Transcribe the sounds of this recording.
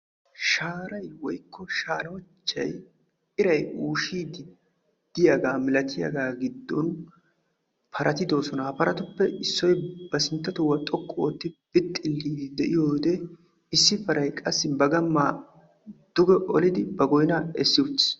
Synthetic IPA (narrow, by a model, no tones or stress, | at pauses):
ʃaːɾɐjwɔjkʰːɔʃaːlɐwɔt͡ʃːɐ̰j | ɪɾɐjuːʃiːd̪ɪ | d̪̥ɪjaɡaːmɪlɐt̪ʰɪjɐ̰ɡaːɡɪd̪ːɔn | pʰɐɾʔɐt̪ɪd̪o̞ːsɔnɐpɐɾɐt̪ʊpːɛɪsːɔjb̥ɐsɪnt̪ːɐt̪ʊwːɐt̪ʼɔkʼːoːt̪ːɪb̥ɪt̪ʼːɪlːiːd̪ɪd̪ɛʔɪjoːd̪ɛ | ɪsːɪpɐɾʔɐjkʼɐsːɪbɐɡɐmːaː | d̪̥ʊɡɛʔɔlɪd̪ɪbɐɡɔjnɐɛsːɪut̪ː